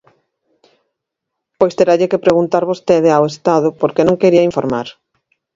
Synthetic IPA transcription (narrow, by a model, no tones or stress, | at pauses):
pojst̪eɾaʎɪkepɾeɣunt̪aɾβost̪eðeawest̪að̞ʊpoɾkenõŋkeɾiɐiɱfoɾma̰ɾ